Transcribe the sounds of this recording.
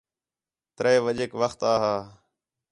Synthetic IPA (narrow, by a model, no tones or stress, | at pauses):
t̪ɾeːʋəʄeːkʋəxt̪aːɦaː